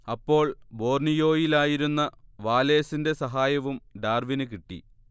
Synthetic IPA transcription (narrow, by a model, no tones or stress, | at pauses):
ɐpːo̞ːɭbo̞ːrnijo̞ːjilaːjiɾunːɐʋaːle̞ːsinde̞sɐɦaːjɐʋumɖaːrʋinɨk̬iʈːḭ